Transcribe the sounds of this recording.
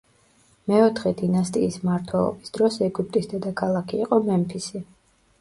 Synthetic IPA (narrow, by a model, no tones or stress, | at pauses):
mɛɔt̪ʰχɛd̪inast̪ʼiːsmaɾt̪ʰwɛlˠɔ̰bisd̪̥ɾɔsɛɡup̚t̪ʼisd̪ɛd̪akʰalˠakʰiːqʼɔmɛmpʰisi